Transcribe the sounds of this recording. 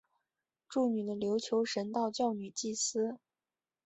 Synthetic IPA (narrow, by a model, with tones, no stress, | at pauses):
ʈ͡ʂu˥˩ny˨˩d̪ə˦ljo˧˥ʊt͡ɕʰjo˧˥ʊʂə˧˥nt̪ɑ˥˧ʊt͡ɕjɑ˥˩ʊny˨˩t͡ɕi˥˩sɹ̩˥